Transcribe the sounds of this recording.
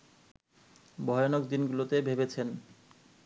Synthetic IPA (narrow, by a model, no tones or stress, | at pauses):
bʱɔjonok̚d̪inɡulot̪ebʱebet͡ɕʰen